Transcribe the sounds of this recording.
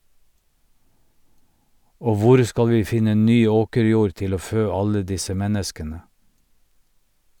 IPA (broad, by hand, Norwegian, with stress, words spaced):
ˈoː ˈʋʊɾ ˈskɑl ˈʋiː ˈfɪnə ˈnyː ˈoːkəɾˌjuːɾ ˈtɪl ˈoː ˈføː ˈɑlə ˈdɪsə ˈmɛnəskənə